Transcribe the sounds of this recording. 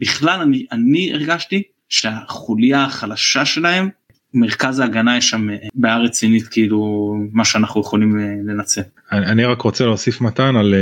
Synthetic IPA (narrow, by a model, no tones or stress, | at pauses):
biχlalanianiḛʁɡaʃti | ʃeaχulijaːχalaʃaʃe̞lahe̞m | meʁkazaːɡanajeʃambaaʁet͡sinit̪kʰeilumaʃeanaχnujeχo̞limle̞nat͡se̞l | aaniʁakʁot͡seleosifmat̪anal